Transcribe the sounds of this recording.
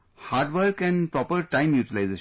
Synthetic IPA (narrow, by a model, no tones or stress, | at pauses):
haːɾɖʋəɾkɛ̃npɾɔːpəɾʈãɪ̃mjuːʈilaɪzeː